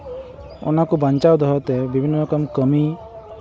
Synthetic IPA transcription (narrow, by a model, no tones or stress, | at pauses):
ɔ̰nakubaɲt͡ʃawd̪ɔɦɔt̪ɛbibʱinːɔɾɔkɔmkəmi